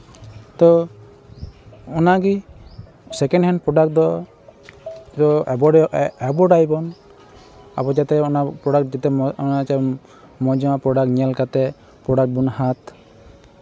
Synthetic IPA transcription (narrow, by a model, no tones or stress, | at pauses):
t̪ɔ | ɔnaɡi | sɛkɛnɖhɛnpɾɔɖak̚d̪ɔ | dɔbɔɛbɔɖajbɔn | a̰bɔd͡ʒat̪ɛɔnapɾɔɽak̚d͡ʒat̪ɛnat͡ʃɛ | mɔd͡ʒɔapɾɔɖakɲialkat̪ɛ | pɾɔɖak̚bunhat̪